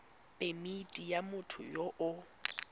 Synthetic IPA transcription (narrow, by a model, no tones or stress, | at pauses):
pʼemitʼijamʊtʰʊ̰jɔʔʊ